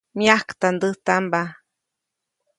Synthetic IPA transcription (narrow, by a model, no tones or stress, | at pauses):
mjahkt̪and̪ət̪amba